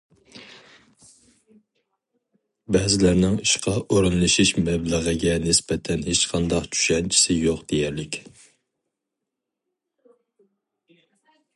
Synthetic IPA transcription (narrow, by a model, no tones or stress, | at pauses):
bɛzɪlæɾnɪŋiʃqɑʔoɾɨnlˠɨʃiʃmɛbləʁəɡʲɛnɪsbɛt̪ʰɛnhet͡ʃqʰɑnd̪ɑqt͡ʃʰy̥ʃɛnt͡ʃʰi̥sɪjoqd̪̥ejɛɾlɪkʲ